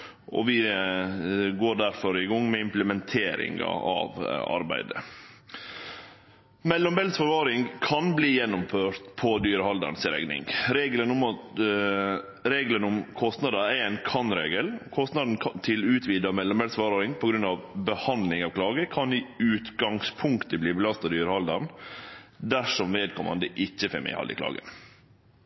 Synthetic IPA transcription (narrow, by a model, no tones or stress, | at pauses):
ʔɔ̰ʋɪ | ɡoːɖæɾfɔɾɪɡɔŋːmɛɪmpləmɛnt̪ʰeːɾɪ̰ŋɑ̰ɑ̰ʋɑ̰ɾbæ̰ɪd̪ə̰ | mɛlːɔmbɛlsfɑɾʋɑːɾɪŋkʰɑnbliːjɛnːʊmføːɾt̪pʰɔd̪yːɾəhɑld̪ə̰n̩sɪɾɛ̰ɡnɪ̰ŋɾeːɡlənʊmɑt̪ | ɾeːɡlənʊmkʰɔst̪nɑd̪ɑæɛnkʰɑnɾḛːɡəlɔkʰɔst̪nɑd̪n̩kʰɑnt̪ʰɪlʉːt̪ʰʋiːd̪ɑmɛlːɔmbɛlsfɑɾɾɪŋpʰɔɡɾʉnːɑʋbəhɑnd̪lɪŋɑːʋkʰlɑːɡəkʰɑnɪʉːt̪ɡɑŋspʰʊŋkt̪əbliːbəlɑst̪ɑd̪yːɾəhɑld̪ɑn | d̪æʂɔmʋeːd̪̚kʰɔmːɑ̰nd̪əʔɪçːəfɛ̰mɪ̰hɑ̰lɪ̰kʰlɑ̰ːɡə̰n